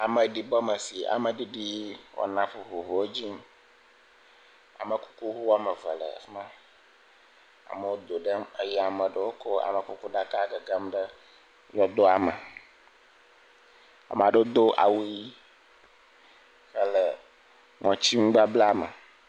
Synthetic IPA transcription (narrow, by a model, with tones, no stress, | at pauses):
a˨mə˨ɖi˨bɔ˦mə˨si˨ʔa̰˨mə̃˨ɖi˦ɖi˦wo̰˦nã˨ɸu˨ɦo˨ɦo˨wo˦d͡ʑi˦m | a̰˨mə˨ku̥˦ku˦ɦu˦wa˦mə˨və̰˨lə̰˨fnã˦ | a̰˨mə˨wo˦d̪o˨ɖə˦me˦jɛ˦a˨mə̃˨ɖə˦wo˦kʰɔ˦a̰˨mə˨ku˦ku˦ɖa˦ka˦ɡə˨ɡa˦mɖə˦ | jɔ˦d̪o˦a˨mə˨ | a̰˨m˨a˨ɖə˦d̪o˦ʔa̰˨wu˦ji˦ | ɸə˦lə˨ | ŋɔ̃˨t͡ɕi˦ŋũ˦ɡ͡ba˦bla˦mə̰˨